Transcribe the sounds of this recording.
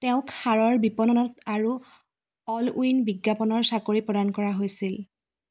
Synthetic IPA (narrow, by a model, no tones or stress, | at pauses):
tɛʊ̃khaɹɔɹbipɔnɔnɔtaɹu | ɔluinbiɡːapɔnɔɹsakoɹipɹɔdankɔɹaɦojsil